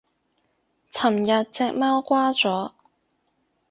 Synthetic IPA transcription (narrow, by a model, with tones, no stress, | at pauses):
t͡sʰɐ˨˩mjɐ˨t̚t͡sɛː˧k̚maː˥wkʷaː˥t͡sɔː˨˥